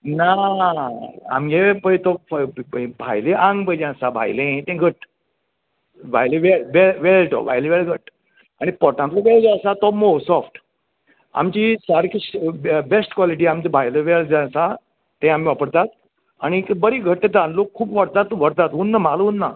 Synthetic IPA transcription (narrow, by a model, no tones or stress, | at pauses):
na | a̰mjepət̪ɔ | bʱajleʔãŋɡbəjd͡ʑẽəsabʱa̰jlẽt̪ẽɡʱəʈ | bʱajleʋelʋelʋelʈɔ̰bʱa̰jleʋelɡʱəʈ | aɽ̃ipɔʈãt̪lɔʋeld͡ʑãsat̪ɔmosɔfʈ | a̰mt͡ɕisaɾkisbesʈkʋɔliʈ̬iamt͡ɕebʱajləʋeld͡zãsa | t̪ɛ̃am̤iʋapəɽt̪at̪̚ | añibəɾiɡʱəʈːet̪ãnlokʰːuːpʋəɽt̪at̪ːɔʋəɽt̪at̪ɦunːamalunːa